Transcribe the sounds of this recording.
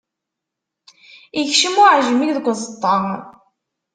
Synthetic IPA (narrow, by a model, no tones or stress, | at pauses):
içʃəmʊʕʒmikðəɡʷzˤət̪ˤːɑ